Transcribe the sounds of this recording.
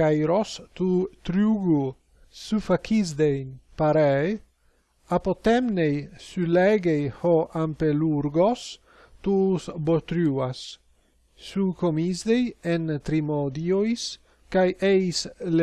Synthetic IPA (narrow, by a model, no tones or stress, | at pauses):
ajɾost̪ut̪ɾuɡu | sufakʰizd̪ejnpaɾɛ | apot̪ɛmnejsulɛɡejhoʔampeluɾɡos | t̪usbot̪ɾuasː | ukomizd̪ejent̪ɾimod̪iojs | kajejsle